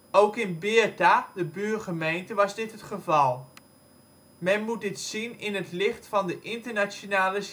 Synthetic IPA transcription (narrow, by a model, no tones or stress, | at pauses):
owkɪnbɪːtadəbyːrχəmejntəʋɑzdɪtɦətχəvɑlˠ | mɛnmut̚dɪtsinɪnətlɪχtfɑndəʔɪntəɹnat͡ʃonaːlə